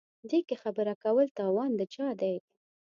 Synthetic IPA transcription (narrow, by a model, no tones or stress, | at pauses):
d̪ekexabəɾakawəlt̪ɑwɑnd̪ət͡ʃɑd̪ajɡ